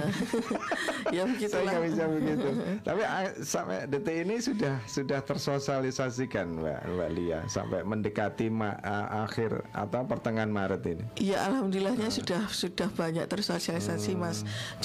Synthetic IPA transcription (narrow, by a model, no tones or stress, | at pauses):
jabəɡit̪akamisabəɡit̪ut̪apiasampɛ̰det̪einisudahsudaht̪ərsosialisasikanba̰ba̰ʔlia̰hsa̰mpajməndəkat̪ima̰ə̰ʔaxɪra̰t̪awpərt̪əŋanmaɾət̪iniijaʔalɦamd̪olilahɲasudahsudahb̥aɲak̚t̪ərsosialisasimas